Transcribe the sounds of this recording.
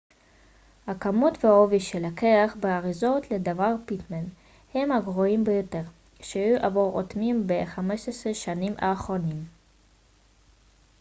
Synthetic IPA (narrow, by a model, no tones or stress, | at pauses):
hakamutveoviʃelakeaχbeaʁizot̪led̪avaʁpit̪man | hemaɡʁoimbejoteʁ | ʃeajuʔavoʁo̰t̪mimbeχameʃesʁeʃanimʔa̰ːχʁonim